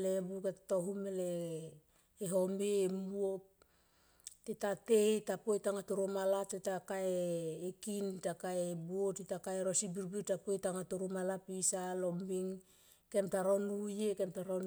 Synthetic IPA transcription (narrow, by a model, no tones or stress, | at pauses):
lebuketatoɦumele | ɦo̞meːmuop̚ | tetateitapojtaŋatoɾomalap̚tetakaeːkintakaebuotitakaeɾosibiɾbitapojtaŋatoɾumalapisalombiŋ | ke̞mtaɾonujekemtaɾon